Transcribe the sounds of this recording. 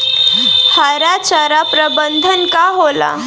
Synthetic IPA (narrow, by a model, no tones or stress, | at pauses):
haɾat͡ɕaɾapɾəbənd̪ʱənkaɦola̰